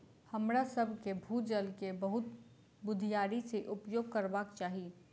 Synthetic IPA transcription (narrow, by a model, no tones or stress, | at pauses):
həmɾasəbʱkebʱuːd͡ʒəlkebəɦʊt̪ | bʊd̪ʱijaːɾiseʔʊpjoːɡ̚kɐɾbaːkt͡ʃaːɦi